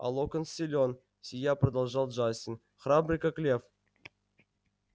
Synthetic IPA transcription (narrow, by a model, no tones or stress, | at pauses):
a̰lˠokənsʲilʲon | sʲijaprɐd̪alˠʐɑlˠʐasʲinʲ | χrabrʲikəklʲef